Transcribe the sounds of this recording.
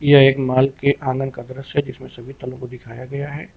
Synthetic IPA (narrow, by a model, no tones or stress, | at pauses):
jaeːkmaːlkeʔãːŋɡənkad̪ɐɾəsɦɛd͡ʒɪsmẽsɐbʱit̪ɐlõkod̪ɪkʰaːjaɡɐjaɦɛ̰ː